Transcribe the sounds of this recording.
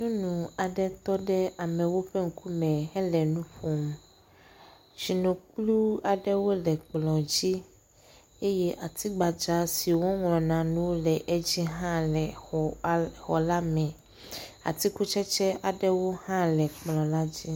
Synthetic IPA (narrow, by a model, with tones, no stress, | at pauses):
ɲũ˦nũ˨a˨ɖɛ˦t̪ɔ˦ɖɛ˦a˨mɛ˨wo˦ɸɛ˦ŋ̩˦ku˦mɛ̃˨ɦɛ˦lɛ˨nũ˦ɸo˨m | t͡ʃi˨nõ˨k͡plu˦a˨ɖɛ˦wo˦lɛ˨k͡plɔ̃˨d͡ʑi˦ | e˦jɛ˦ʔa˨t̪i˦ɡ͡ba˨d͡ʒa˦si˨wo˦ŋlɔ̃˨nã˨nũ˦lɛ˨ʔe˦d͡ʑi˦ɦã˦lɛ˨ɔ˨˦xɔ˨la˦mɛ̃˨ | a̰˨t̪i˦ku˦t͡ʃɛ˦t͡ʃɛ˦a˨ɖɛ˦wo˦hã˦lɛ˨k͡plɔ̃˨la˦d͡ʑi˦